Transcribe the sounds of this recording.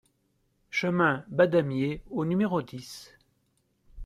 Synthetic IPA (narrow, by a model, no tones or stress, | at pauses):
ʃəmɛ̃bad̪amjeonymeʁod̪is